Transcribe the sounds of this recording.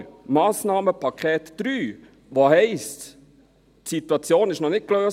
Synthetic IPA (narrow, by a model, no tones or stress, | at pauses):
mɑːsnɑːməpʰɑkʰɛːt̪d̪̥ɾyː | ʋoɦɛɪst | tsit̪wɑt͡sjoːnɪʃnɔnɪt̚kløːs